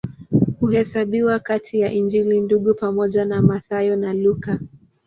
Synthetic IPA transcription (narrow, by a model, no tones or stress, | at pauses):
huhɛsaɓiwakatʰijaʔind͡ʒilinduɠupamɔʄanamaθajɔnaluka